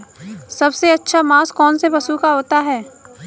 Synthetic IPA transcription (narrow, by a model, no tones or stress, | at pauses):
sɐbseɐtːʃʰamaːskɔːnsepɐsukaɦoːt̪aɦɛː